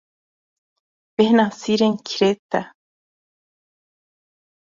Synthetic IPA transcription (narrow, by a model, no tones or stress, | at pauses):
pehnasiɾeŋkʰiɾet̪a